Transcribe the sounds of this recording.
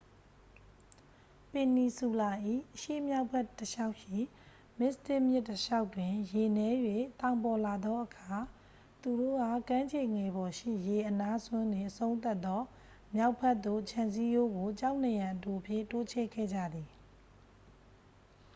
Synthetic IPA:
pɪ̃˨ni˨su˨la˨ʔḭ˦˨ʔəʃḛ˦˨mja˦ʊpʰːɛ˦˨tːəʃa˦ʊʔʃḭ˦˨ | mɪ˦ʔst̪ɪ˦ʔmjɪ˦tːəʃa˦ʊtwɪ̃˨je˨nɛ˦jwe˨t̪ã˨ʊ̃mpɔ˨la˨d̪ɔ˦ʔəkʰa˨ | t̪u˨do̰˦˨ɡa˦˨kã˦ɲd͡ʑʰe˨ŋɛ˨bɔ˨ʃḭ˦˨je˨ʔəna˦sʰwʊ̃˦ndwɪ̃˨ʔəsõ˦ʊ̃nt̪a˦ʔt̪ːɔ˦ | mja˦ʊpʰːɛ˦ʔ̪t̪ːo̰˦˨t͡ɕʰã˨nsi˦jo˦ɡo˨t͡ɕa˦ʊʔn˨jã˨ʔəto˨pʰjɪ̰̃˦˨to˦t͡ɕʰɛ̰˦˨kʰɛ̰˦˨d͡ʑa̰˦˨d̪i˨

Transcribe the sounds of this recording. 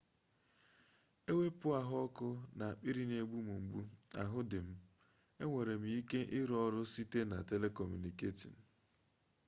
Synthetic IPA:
e˦we˦pʊ˦a˨ɦʊ˦ɔ˦kʊ˦na˨k͡pi˦ɾi˦ne˨ɡ͡bu˦mu˨ŋ͡m̩˨ɡ͡bu˦a̰˨ɦʊ˦dɪ˨m̩˦ | e˦ŋʷe˨ɾe˨m̩˨˦i˦ke˦ʔɪ˦ɾɔ˦ɾʊ˦si˦te˦na̰˨te˦le˦kɔ˨mju˨ni˨ke˦tḭ˨m̩˨

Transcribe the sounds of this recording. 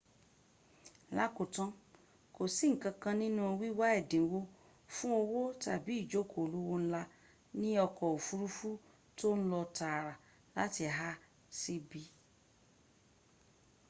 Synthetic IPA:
la˦ko˨tɔ̃˦ | ko˨si˨˦ŋ̩˨kã˧kã˧nĩ˦nũ˦o˧wi˦wa˦ɛ˦˨dẽ˨˦wo˦ | fũ˦o˧wo˦ta˨bi˨˦i˦˨d͡ʒo˨˦˨kʰo˨lo˦wo˦n̩˦la˧ | nĩ˦ɔ˧kɔ˨o˨fu˦ɾu˦fu˦ | to˦ñ̩˦lɔ˧ta˨ɾa˨ | la̰˨˦ti˧˨ɦa˦ | si˦bi˦

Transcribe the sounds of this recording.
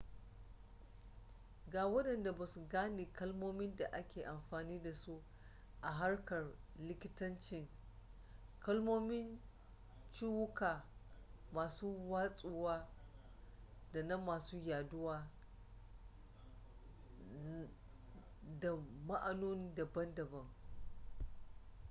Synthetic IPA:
ɡaː˨wɐ˦dɐ˨nda˨ba˨su˨ɡaː˦neː˨kɐ˦lmoː˦mɪ˦nda˨ʔa˦kʲeː˨ʔa˨mɸaː˨niː˦da˨su˦ | ʔa˨ɦa˦ɽkɐ˨rlɪ˦kʲɪ˦tɐ˦nt͡ʃɪ˦˨ŋ | kɐ˦lmoː˦mɪ˦n | t͡ʃiː˦wʊ˦kaː˨ | maː˨suː˦waː˦sʼuː˦waː˦ | da˨nɐ˦mːaː˨suː˦jaː˨dʊ˦waː˦ | da˨ma˦ʔa˨noː˦n˦dɐ˨bɐ˦ndɐ˨bɐ˦ŋ

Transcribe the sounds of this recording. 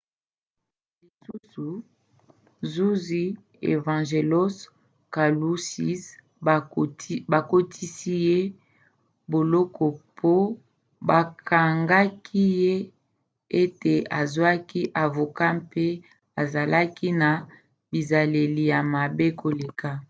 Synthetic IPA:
li˨su˦su˨ | zu˦zi˦ | ḛ˨vã˨ʒe˨lo˦s | ka˨lu˦si˦s | ba˨ko˦tʰi˦si˦je˦ | bo˨lɔ˦kʰɔ˨pʰo˦ | ba˨kʰa˨ŋɡa˦kʰi˦je˦ | e˦te˨a˨zwa˦ki˦ʔa˨vo˨ka˦mpe˦ | a˨za˨la˦ki˦na˨ | bi˨za˨le˨li˨ja˨ma˨be˦kʰo˨le˨kʰa˦

